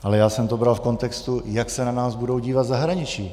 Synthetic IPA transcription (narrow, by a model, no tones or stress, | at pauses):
ʔalɛjaːsɛmt̪obɾalfko̞nt̪ɛkst̪ujaksɛnanaːzbudo̞wɟiːvat̪zaɦɾaɲɪt͡ʃiː